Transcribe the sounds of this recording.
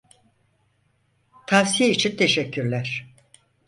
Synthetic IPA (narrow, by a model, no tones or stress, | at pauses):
t̪ʰafsijit͡ʃʰint̪ʰeʃɛcʰːyɾlʲæɾ̥